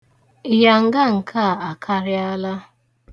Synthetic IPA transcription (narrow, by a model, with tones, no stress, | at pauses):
ɪ˨ja˨ŋ̩˨ɡa˦˨ŋ̩˨kʰa˦˨a˨kʰa˦ɾɪ˦a˦la˦